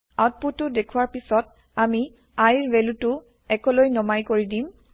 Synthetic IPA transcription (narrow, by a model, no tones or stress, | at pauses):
at̚putːʊdekʰʊwaɹpisɔt̚ | ami | ajɹbelutʊ | ɛkɔlojnɔmajkoɹidim